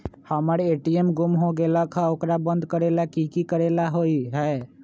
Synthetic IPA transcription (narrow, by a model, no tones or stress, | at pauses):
həməɾeʈiemɡumɦoɡeləkʰə̃okɾabənd̪kəɾelakikikəɾelaɦoiɦəe